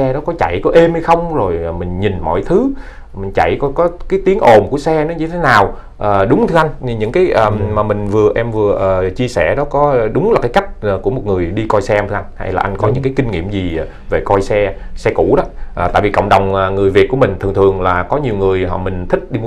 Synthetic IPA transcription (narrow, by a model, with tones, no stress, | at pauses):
ɛ˧ɗɔ˨˦kɔ˨˦t͡ɕa̰˧˨jkɔ˨˦ʔe˧mha˧jxə˧wŋ͡mzo˨˩jmï˨˩ŋ̟ɲi˨˩nmɔ̰˧˨jt̪ʰɨ˨˦ | mï˨˩ŋ̟t͡ɕa̰˧˨jkɔ˨˦kɔ˨˦kaː˨˦jt̪i˨˦əŋʔo˨˩mku˧˩əsɛ˧nɔ˨˦ɲɨ˧t̪ʰe˨˦naː˨˩w | ʔəː˨˩ɗʊ˨˦ŋ͡mt̪ʰɨ˧ʔa˧jŋ̟˧ɲɨ̰˧˥ŋkaː˨˦jʔəː˨˩maː˨˩mï˨˩ŋ̟vɨ˨˩əʔɛ˧mvɨ˨˩əʔəː˨˩t͡ɕi˧əsɛ̰˧˩ɗɔ˨˦kɔ˨˦˨ɗʊ˨˦ŋ͡mlaː˨˩kaː˨˦jka˦˥k̚ːku˧˩əmo˨˩t̚ŋɨ˨˩əjɗi˧kɔ˧jsɛ˧ʔmt̪ʰːʔa˧ŋnha̰˧jla̰ː˨˩ʔa˧ŋkɔ˨˦ɲɨ̰˧˥ŋkaː˨˦jki˧ŋ̟ŋḭ˧˩əmzi˨˩˨ | ve˨˩kɔ˧jsɛ˧sɛ˧kṵ˧˩˥ɗɔ˨˦ʔt̪a̰ː˧˨jvi˨˩kə̰˧˨wŋ͡mɗə˨˩wŋ͡məː˨˩ŋɨ˨˩əjvi˨˩t̚ku˧˩əmï˨˩ŋ̟t̪ʰɨ˨˩ŋt̪ʰɨ˨˩əŋlaː˨˩kɔ˨˦ɲi˨˩əwŋɨ˨˩əjɦɔ̰˧˨˩mï˨˩ŋ̟t̪ʰï˦˥k̚ɗi˧m˧˩